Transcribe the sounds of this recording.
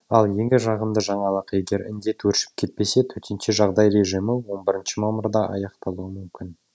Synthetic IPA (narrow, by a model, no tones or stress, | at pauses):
ɑlˠje̞ŋɡʲɪʒɑʁənd̪əʒɑɴɑlˠəqje̞ɡʲe̞ɾɪ̰nd̪e̞t̪wɵɾʃɪ̥p̚kʲʰe̞t̪̚pe̞se̞t̪ʰɵt̪ɪnʃɪʒɑʁd̪ɑjɾe̞ʒijmɪwo̞nbɪɾɪnʃɪmɑməɾd̪ɑʔɑ̰jɑqt̪ɑlˠuəmʏmkʲɪn